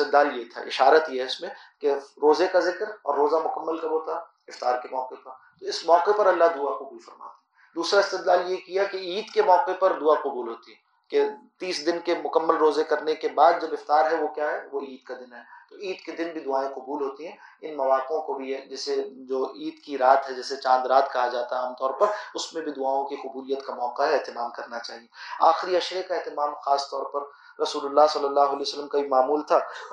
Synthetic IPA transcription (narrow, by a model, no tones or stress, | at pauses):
ɪst̪ɪd̪laːljet̪ʰa̰ʔɪ̰ʃaːɾət̪jɦɛɪsmẽ | keɾoːzekazɪkɾɔ̰ːɾːoːzamʊkəmːəlkɐbot̪a | ɪft̪aːɾkemɔːqepɐɾt̪oɪsmɔːqepɐɾɐlːaɦd̪ʊaqʊbuuːlfɐɾma̰ːt̪iɛ | d̪uːsɾaɪst̪ɪd̪laːljekijakeiːd̪kemɔːqepɐɾd̪ʊaqʊbuːlɦoːt̪iɦɛ̃ | ket̪iːsd̪ɪnkemʊkəmːəlɾoːzekɐɾnekebaːd̪̚d͡ʒobɪft̪aːɾɦɛʋokjaɦɛʋoiːd̪̚kad̪ɪnɦɛːt̪oiːd̪ked̪ɪnbʱid̪ʊaːẽqʊbuːlɦoːt̪iɦɛ̃ | ɪnmɐʋaːkõkobʱiɦɛd͡ʒɛːsed͡ʒoːiːd̪kiɾaːt̪ɦɛd͡ʒɛːset͡ʃãːnd̪ɾaːt̪kɐɦad͡ʒaːt̪aɦɛaːmt̪ɔːɾpɐɾʊsmẽbʱid̪ʊaːõkiqʊbuːlijət̪kamɔːqaɦɛɛɦt̪ɪmaːmkɐɾnat͡ʃaːɦieaːxɾiɐʃɾekaeɦt̪ɪmaːmxaːst̪ɔːɾpɐɾ | ɾɐsuːlʊlːaːɦsɐlːəlːaːɦʊɐlɛːjsəlːəmkaimaːmuːlt̪ʰaː